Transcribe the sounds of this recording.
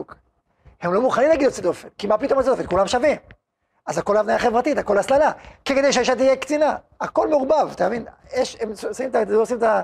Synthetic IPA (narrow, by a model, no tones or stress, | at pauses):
k | hemlo̞muχanimlaɡid̪lot͡sed̪o̞fenkimapit̪o̞mat͡sedofenkulamʃavim | azako̞lavnajaχevʁat̪it̪ako̞laslalakeked̪ejʃ̬eiʃat̪̬ijekt͡sina | ako̞lmeuʁubavt̪aːvinjeʃemssimet̪aosimet̪a